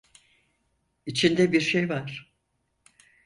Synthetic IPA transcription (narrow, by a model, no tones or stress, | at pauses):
it͡ʃʰind̪ɛbiɾʃejvaɾ̥